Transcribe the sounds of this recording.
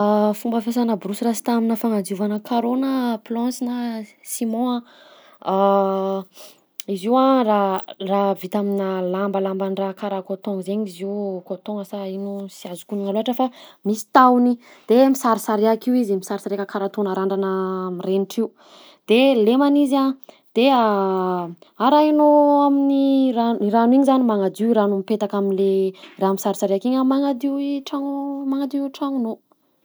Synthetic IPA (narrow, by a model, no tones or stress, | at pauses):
fumbəfes̬anəbɾusirasi̥t̪aminəfaŋad͡ziuvanəkʰaɾonəplɔ̃sinə | simɔ̃ã | iziwãraravit̪aminəlambəlambanrakaɾakot̪oŋzeɲiziwkot̪õŋəsainusiazukʲuniŋaluaʈ͡ʂəfamisi̥t̪awni | d̪̥emisaɾisaɾeakiwizimisaɾisaɾeakakaɾat̪onaɾaɳɖ͡ʐanəmireniʈ͡ʂiu | d̪̥elemaniza | d̪̥ea | aɾainoaminiɾaniɾanuiɲizanimaŋad̪iiɾanumipet̪akaminleraːmisaɾisaɾeakiɲəmaŋad̪iwiʈ͡ʂaŋmaŋad̪iuʈ͡ʂaŋuno